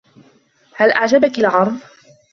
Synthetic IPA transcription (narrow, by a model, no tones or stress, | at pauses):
halʔaʕd͡ʒabakalʕɑɾˤb